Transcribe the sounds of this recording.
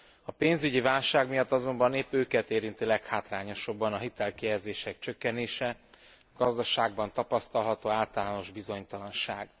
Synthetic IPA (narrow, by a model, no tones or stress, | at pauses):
ɒpeːnzyɟivaːlʃaːɡmijɒt̪ːɒzo̞mbɒneːpøːkɛt̪eːɾint̪ilɛkhaːt̪raːɲo̞ʃɒbːɒnɒɦit̪ɛlkijɛzeːʃɛk̚t͡ʃø̞kːɛneːʃɛ | ɒɡɒzd̪ɒʃaːɡ̚bɒnt̪ɒpɒst̪ɒlɦɒt̪oːaːlt̪ɒlaːno̞ʒbizo̞ɲt̪ɒlɒnʃaːɡ